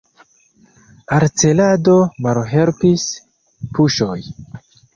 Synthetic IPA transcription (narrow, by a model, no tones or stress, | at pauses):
aɾt͡se̞ladomalɦe̞lpis | puʃo̞j